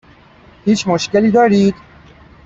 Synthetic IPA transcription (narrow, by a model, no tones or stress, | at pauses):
hiːt͡ʃʰmoʃkeliːd̪ɒːɾiːd̪̥